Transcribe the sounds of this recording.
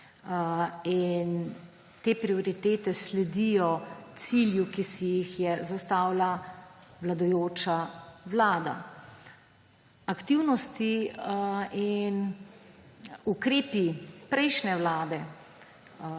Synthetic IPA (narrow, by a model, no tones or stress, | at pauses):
in | t̪eːpɾiɔɾit̪eːt̪ɛslɛd̪ijɔt̪siljukisijixjɛzast̪aːwlaʋlad̪ɔjoːt͡ʃaʋlaːd̪a̰ | akt̪iwnɔst̪i | in | ukɾeːpipɾɛjʃnɛʋlaːd̪ɛ